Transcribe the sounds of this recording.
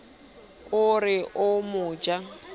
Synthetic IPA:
ʊrɪʔʊmʊːd͡ʒa

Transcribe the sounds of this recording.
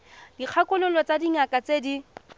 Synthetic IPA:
dik͡xʰakʼʊlʊlɔt͡sadiŋakʼat͡sedi

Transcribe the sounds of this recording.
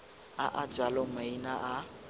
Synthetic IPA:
aʔad͡ʒalɔmainaʔa

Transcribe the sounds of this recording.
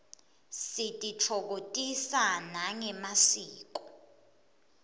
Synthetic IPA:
sitʼit͡fʰɔk̬otʼisanaŋɛmasiːk̬ɔ

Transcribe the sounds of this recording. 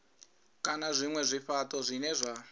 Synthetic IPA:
kanazʷimwɛʐʷifatʼɔzʷinɛʐʷa

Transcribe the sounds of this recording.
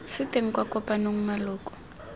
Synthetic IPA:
sɪteŋ̩kwakɔpanoŋ̩maloːkʼɔ̥

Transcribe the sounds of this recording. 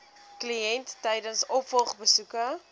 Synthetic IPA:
kliɛntːɛjdənsɔpfɔlˠχbəsukə

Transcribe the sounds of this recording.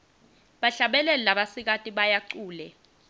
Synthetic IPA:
ɓaɬaɓɛlɛlaɓasik̬atʼiɓajaǀuːlɛ

